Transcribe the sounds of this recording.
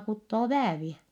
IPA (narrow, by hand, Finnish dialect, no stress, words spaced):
kutːoː ʋæːʋiɛ